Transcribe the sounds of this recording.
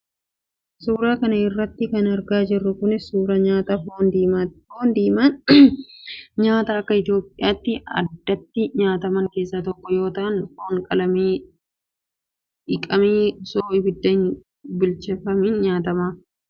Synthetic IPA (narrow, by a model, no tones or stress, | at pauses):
suːɾaːkɐnɐɪrːɐt̪ːɪkɐnɐɾɡaːd͡ʒɪrːʊkʊnɪuːɾɐɲaːt̪ɐfoːnd̪iːmafoːnd̪iːmɐn | ɲaːt̪aːɐkːɐɪt̪ɪjo̞ːpʼːɪjaːt̪ːɪɐ̰d̪ːɐt̪ːɪɲaːt̪ɐmɐŋke̞ːsːaːt̪ɔkːɔjo̞ːt̪ɐʔɐnfoːŋkʼɐlɐmeː | ɪkʼɐmeːsoːʔɪbɪd̪ːɐɪn | bʊlt͡ʃɛfɐmɪnɲaːt̪ɐmaː